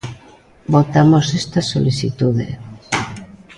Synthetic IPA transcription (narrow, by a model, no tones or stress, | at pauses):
bot̪amosest̪ɐsːo̰liθit̪uðḛ